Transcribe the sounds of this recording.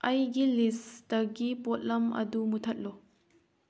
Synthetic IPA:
ʔɐjɡilisdɐɡipot̚lɐmɐ̰dumutʰɐt̚lɔ

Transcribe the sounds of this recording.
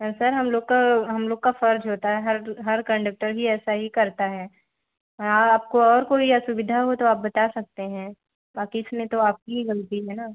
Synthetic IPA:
sɐɾɦɐmloːɡkaɦɐmloːɡ̚kafɐɾd͡ʒɦoːt̪aɦɛɦɐɾɦɐɾkɐ̃ɳɖək̚ʈəɾɦiɛːsaɦikɐɾt̪aɦɛː | aaːp̚koɔːɾkoːijasʊʋɪd̪ʱaɦot̪oaːp̚bɐt̪asɐk̚t̪eɦɛ̃ː | baːkiɪsmẽt̪oaːp̚kiiɣɐlt̪iɦɛːnaː

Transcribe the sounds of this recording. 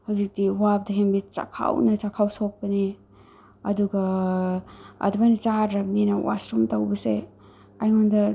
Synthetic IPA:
hawzik̚diwap̚dɐɦembit̚t͡ʃa̰kʰa̰wnɐt͡ʃakʰawsok̚pɐni | ɐduɡɐ | dumanit͡ʃaɾɾɐp̚ninɐwʔa̰sɾumtɐwbɐse | ajŋondɐ

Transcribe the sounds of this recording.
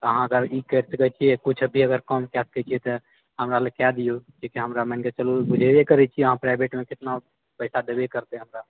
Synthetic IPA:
əɦãəɡəɾikəɾt̪ɡət͡ʃʰijekut͡ʃʰbʱiəɡəɾkɔmkɛskɛt͡ʃʰijet̪ɔ | ɦəmɾalekɛd̪ijod͡ʒekiɦəmɾamənket͡ʃəlubud͡ʒʱeekəɾɛt͡ʃʰieəɦãpɾaɪbeʈmẽkɪt̪na | pəɪsad̪ebekəɾt̪ẽɦəmɾa

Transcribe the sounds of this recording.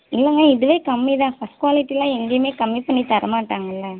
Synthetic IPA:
ɪlːɐŋɡaːɪðɯʋeːkɐmːiðãːfɐsʈ̚kwʋaːlɪʈːilãːɛŋɡejmeːkɐmːipɐɳːit̪ɐɾɐmaːʈːaːŋɡɐɪlːɐ

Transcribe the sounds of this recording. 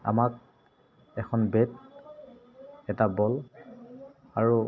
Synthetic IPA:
a̰mak̚ | ɛkʰɔnbet | ɛtabɔl | aɹu

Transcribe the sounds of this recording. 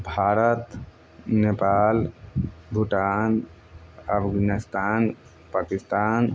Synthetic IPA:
bʱaːɾət̪ | nepal | bʱuʈan | əpʰɡanist̪aːn | paːkist̪aːn

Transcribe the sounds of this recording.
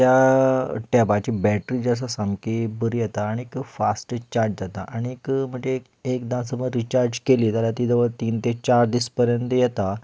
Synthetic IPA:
t̪ja | ʈɛbat͡ɕibɛʈɾiːd͡zas̬asamkibəɾijɛt̪aːɽ̃iekfasʈt͡ɕaɾd͡ʑd͡zat̪aʔaɽ̃ikm̤əɳd͡ze | ekd̪ãsəbəɾit͡ɕaɾd͡ʑkeliːt̪aljat̪iːd̪əʋət̪iːnt̪et͡ɕaɾd̪ispəɾjənt̪əjɛt̪a

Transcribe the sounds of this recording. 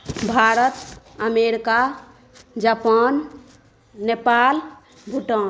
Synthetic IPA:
bʱaɾət̪ | əmeɾika | d͡ʒapanː | epal | bʱuʈən

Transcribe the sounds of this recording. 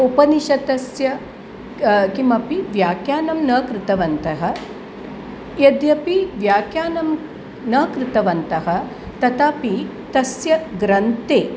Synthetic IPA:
upɐniʃɐt̪ɐsjɐ | kimɐpiʋjaːkjaːnɐmnɐːkɾɪt̪ɐʋɐnt̪ɐɦɐ̆ | jɐd̪jɐpiʋjaːkjaːnɐm | nɐːkɾɪt̪ɐʋɐnt̪ɐɦɐ̆ | t̪ɐt̪aːpi | t̪ɐsjɐɡɾɐnt̪eː

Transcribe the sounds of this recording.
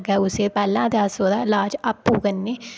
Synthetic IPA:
ɡɛːʊseːpɛːlãːd̪aːsoːd̪aːɪlaːd͡ʒəpːuːkənːeː

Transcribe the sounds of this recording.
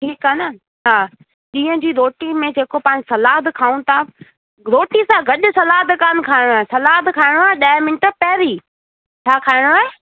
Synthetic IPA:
ʈʰiːkənə | aː | ɗĩːə̃d͡ʑiːɾoːʈimẽd͡ʑeːkopãːɲd͡ʑɪsɐlaːɦd̪kʰaːũt̪ʰa | ɾoːʈisãɡɐɗʊ̆sɐlaːd̪kaːnkʰaːɪɽ̃oaːesɐlaːd̪kʰaːɪɽ̃oaːeɗaːmɪnʈəpɐːɾi | t͡ɕʰaːkʰaːɪɽ̃oaːɦe

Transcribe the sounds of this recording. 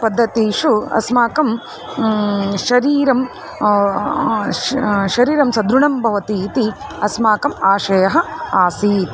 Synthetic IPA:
pɐd̪ʱːɐt̪iːʂuɐ̰smaːkɐm | ʃɐɾiːɾɐm | ʃɐɾiːɾɐmsɐd̪ɾuɳɐmbʱɐʋɐt̪iːt̪iɐsmaːkɐmaːʃɐjɐɦɐaːsiːt̪

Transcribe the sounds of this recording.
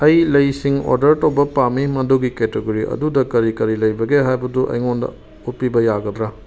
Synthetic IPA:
ɐjlɐjsiŋo̰ɾdɐɾtɐwbɐpamimɐduɡiketeɡoɾiʔɐ̰dudɐkɐɾikɐɾilɐjbɐɡeɦajbɐduʔɐ̰jŋondɐ̰ | ut̚pibɐjaɡɐdɾa

